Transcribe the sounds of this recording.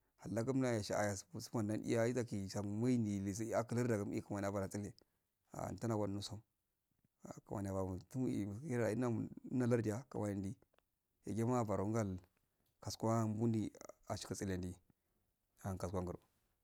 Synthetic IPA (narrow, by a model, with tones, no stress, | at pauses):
ha˨lːa˦ɡa˦mna˦ja˨ʃa˨a̰˨ja˨ssu̥˦m˦a˨nda˦nḭ˦ja˦i˦za˦ki˨sa˨ma˦ni˨li˨s̬a˦ki˦lə˦ɾda˨ɡa˦m˦i˦u˨ma˨n˨a˨ba˨ɾa˨t͡si˦le˨ | a̰˨ta˦na˨wʷa˦nu˦sa˦m | a˨ka˨ma˨n˨a˨ba˨mu˨tu˦i˨m˨˦a˨i˦na˦˨˦na˦la˦ɾdi˨ja˦ka̰˨ma˨ni˨ndi˦ | ja̰˨ɡe˦ma˦˨ba˨ɾu˨˦ɡa˦l | ka˨skwa˦m˦bu˦ndi˦a˨ʃi̥˨˦a˨t͡si˦le˨ndi˨ | a˨nka˨skʷa˦ŋɡə˨ɾ̰